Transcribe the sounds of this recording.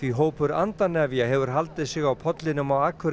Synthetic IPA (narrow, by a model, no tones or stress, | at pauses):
θviɦoːwpʏɾa̰nt̪anɛvjaɦɛvʏɾ̥ɦalt̪ɪðsɪɣawpʰɔt̪lɪnʏmawaːkʰʏɾ